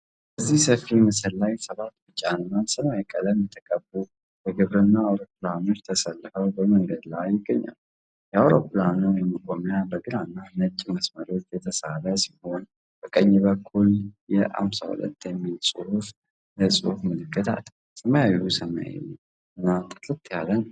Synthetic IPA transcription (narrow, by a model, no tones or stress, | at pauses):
bəzːihsəfːimɨsəlːajsəβat̪ːbɨt͡ʃʼːanːansɨmajɛkʼːələmjɛt̪ʰəkʼəbu | jɛɡɨβɾɨnːaːwɾo̞pːlano̞t͡ʃːt̪ʰəsəlːfəwbəməŋɡəd̪lajɪɡːəɲːa̰l | jɛawɾo̞pʰɨlanojɛməkʼomjabəɡɨlanːanət͡ʃʼːiməsməɾo̞t͡ʃːjɛt̪ʰəsaɾəsiho̞n | b̥əkʼəɲːbəkʰːuljɛʔa̰msa̰hṵlə̰t̪ːjɛmːilsʼɨhuf | jəsʼɨhufmɨlɨkʰːɨt̪ʰa̰t̪ | səməjawjusəma̰jḛ | ɨnːat̪ʼɨ̥t̪ʼɨt̪jalːən